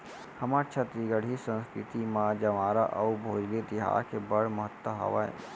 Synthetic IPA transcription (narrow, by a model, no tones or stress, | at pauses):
hɐmat͡ʃʰɐt̪ɾiɡəɽ̤isə̃nskɾɪt̪imãd͡ʒɐʋaːɾaʔɐubʱoːd͡ʒled̪ɪɦa̰ːɾkebɐɽ̤mɐɦət̪ːəɦɐ̰ʋa̰ḛ